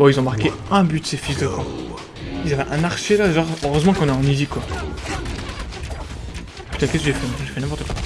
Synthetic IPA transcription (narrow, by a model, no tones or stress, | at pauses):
bɔ̃ilzɔ̃maʁkeɛ̃byd̪sefisd̪əɡɑ̃ | ilzavɛʔɛ̃naʁʃelad̪eʒaʁəʁøzmɑ̃kɔ̃nɛɑ̃nizikwa | py̥t̪ãkʲɛskəʒefɛ̃ʒefɛnɛ̃p̬ɔʁt̪ə̥kwa